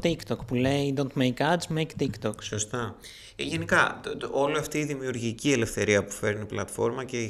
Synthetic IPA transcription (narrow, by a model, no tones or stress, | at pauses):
t̪ikt̪okpuleid̪ont̪mejkɐd͡zmejkt̪ikt̪oksost̪ɐ | ʝe̞nikɐo̞liɐft̪iːðimiuɾʝicie̞le̞fθe̞ɾiɐpu̥fe̞ɾiniplɐ̰t̪fo̞ɾmɐce